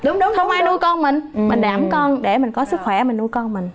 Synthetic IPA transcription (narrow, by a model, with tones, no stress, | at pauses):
ɗʊ˨˦ŋ͡mŋ͡mxə˧wŋ͡mʔaː˧jnu˧jkɔ˧nmï˨˩ŋ̟mï˨˩ŋ̟ɗaː˧˩mkɔ˧nɗe˧˩mï˨˩ŋ̟kɔ˨˦sɨ˦˥k̚xwɛ˧˩mï˨˩ŋ̟nu˧jkɔ˧nmï˨˩ŋ̟